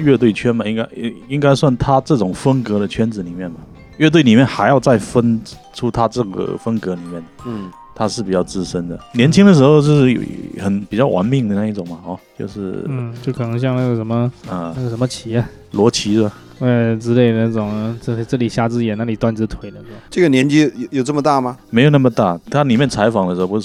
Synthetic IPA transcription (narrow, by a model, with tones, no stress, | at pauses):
ɥɛ˥˧t̪̬we˥˩ɪt͡ɕʰɥɛ˥nmɐ˨i˥ŋka˥ɪ˥i˥ŋka˥ɪswa˥˩nt̪ʰa˥ʈ͡ʂɤ˥˩ʈ͡ʂʊ˨˩ŋfə˥ŋkɤ˧˥ɾə˨t͡ɕʰɥɛ˥nt͡sɹ̩˨˩li˨˩mjɛ˥˩nbɐ˩ | ɥɛ˥˧t̪we˥˩ɪli˨˩mjɛ˥˩nxa˧˥ɪjɑ˥˧ʊt͡sa˥˩ɪfə˥nʈ͡ʂʰu˥t̪ʰa˥ʈ͡ʂɤ˥˩ɡə̰˩fə˥ŋkɤ˧˥li˨˩˦mjɛ˥˩n˥˩ | t̪ʰa˥ʂɻ̩˥˩pi˨˩t͡ɕjɑ˥˩ʊt͡sɹ̩˥˩ʂə˥nd̪ə˨njɛ˧˥nt͡ɕʰi˥ŋd̪ə˨ʂ̬̩˧˥xo˥˧ʊt͡ɕjo˥˧ʂɻ̩̰˥˩˨xə˨˩npi˨˩t͡ɕjɑ˥˩ʊwʔa̰˧˥nmi˥˩ŋd̪ə˩na˥˧i˥˩ʈ͡ʂʊ˨˩ŋmɐ˨˩ɔ˥˧˩t͡ɕjo˥˧ʊʂɻ̩˥˩t͡ɕjo˥˩ʊkʰɤ˨˩nɤ˧˥ŋɕ̬jɑ˥˧ŋna˥˩ɡə˩ʂə˧˥nmə˧nə˥˧a˥˩ɡə˩ʂə˧˥nmə˧t͡ɕʰi˧˥ɐ˧ | lwɔ˧˥t͡ɕʰi˧˥˩ | e˥˩ʈ͡ʂɻ̩˧˥le˥˩ɪdə˧˩a˥˩ʈ͡ʂʊ˨˩ŋ˥˧ʈ͡ʂɤ˥˩li˨˩ɕja˥˧t͡sɹ̩˥˩jɛ˨˩na˥˩li˨˩t̪wa˥˧nt͡sɹ̩˥t̪ʰwe˧˥ɪd̪ə˧ʈ͡ʂɤ˥˩ɡə˩njɛ˧˥nt͡ɕi˥jjo˨˩ʊʈ͡ʂə˥˩mə˧t̪a˥˩ma˨me˧˥ɪjo˨˩na˥˩mə˩t̪a˥˩t̪ʰa˥li˨˩mjɛ˥˩nt͡sʰa˧˥ɪfɑ˨ŋə˧ʂɻ̩˧xo˥˧˩pu˧˥